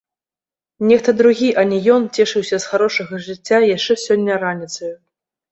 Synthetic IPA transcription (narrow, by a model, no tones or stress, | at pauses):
nʲɛxt̪ɐd̪ɾuɣʲiʔɐnʲɛjɔnt͡sʲɛʂɨwsʲɐsxaɾɔʂɐɣɐʐɨt͡sʲːajaʂt͡ʂɛsʲɔnʲːɐɾanʲit̪sɐju